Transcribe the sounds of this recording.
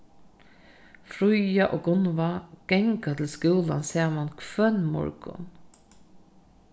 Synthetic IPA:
fɾʊjɑʔoːɡʊnʋaɡ̥ɛŋkat̪ʰɪl̩skuːla̰nseːmɑnkʰʋœnmɔ̰ɹɡʊ̰n

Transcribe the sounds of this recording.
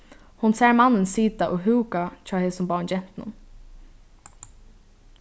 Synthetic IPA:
hʊnsɛːɹmanːənsiːt̪aʔoɦʉːkat͡ʃʰaːheːsʊmbaːnd͡ʒɛm̥t̪nʊ̰n

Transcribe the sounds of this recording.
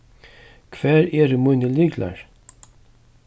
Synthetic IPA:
kʰvɛːɾɛɾmujnɪliːkla̰ɹ̥

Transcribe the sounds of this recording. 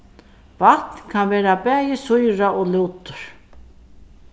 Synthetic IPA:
vat̪nkʰanveːɾabɛːjɪsujɾaʔoːluwt̪ʊɾ̥

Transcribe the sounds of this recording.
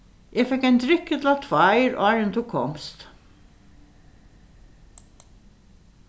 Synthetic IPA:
ʔeːfɛkæɪnd̪ɾɪkːət̪ʰlɑt̪ʰʋɑɪɾɔːɹənt̪ʰuːkʰɔ̰mst̪

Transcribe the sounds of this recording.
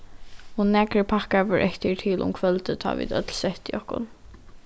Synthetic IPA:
hunːæːkɾəpʰakavəɹʔɛçt̪əɹt̪ʰiːlʔʊ̰mkʰvœlt̪ət̪ʰa̰ːʋḭːd̪œt̪lsɛht̪iɔhkʊ̰n

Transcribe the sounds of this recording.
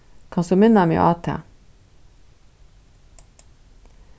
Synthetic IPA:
kʰɑnsɔmɪnɑmḛːʔɑːt̪ʰḛː

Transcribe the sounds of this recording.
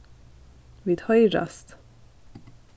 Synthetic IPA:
ʋiːd̪̥hœʏɾɑ̰st̪

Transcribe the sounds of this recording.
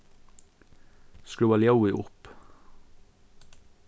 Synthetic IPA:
skɹʉːɑljaʊɪʔʊp

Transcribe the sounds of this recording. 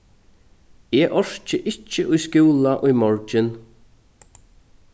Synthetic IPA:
ɛːʔɔɹ̥t͡ʃəʔɪt͡ʃːəʔʊjskuːlaʔʊjmɔɹt͡ʃɪn

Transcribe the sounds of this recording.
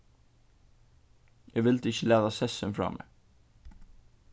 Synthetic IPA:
jæʋɪlt̪əɪçəlæːðɑsɛsənfɾɑ̰ːmʔḛ

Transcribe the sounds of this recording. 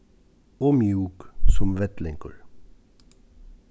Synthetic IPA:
ɔmjuːksɔmʋɛt̪lɪŋkə̰ɹ

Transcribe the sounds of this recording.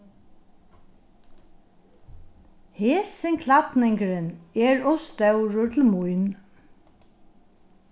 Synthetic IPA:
heːsɪŋkʰlɑt̪nɪŋkəɹəneːɹɔst̪ɑʉɹʊt̪ʰl̩mʊʏn

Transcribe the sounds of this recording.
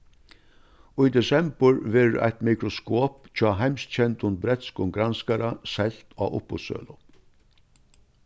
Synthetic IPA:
ʊjd̪ɛsɛmbəɹvɛːɾʔa̰jt̪mikɾɔskoːpt͡ʃʰɔːɦajmst̪t͡ɕʰɛnt̪ʊnt̪̚bɾɛt̪skʊŋɡɾanskaɾasɛl̥t̪ɔ̰ʊ̰pːʊ̰t̪sœ̰ːlʊ

